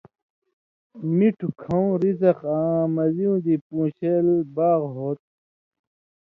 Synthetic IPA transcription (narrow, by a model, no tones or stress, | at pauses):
miʈʰukʰɐũɾizɐqãːmɐziũd̪ipũːɕeːlbaːɣɦoːt̪̚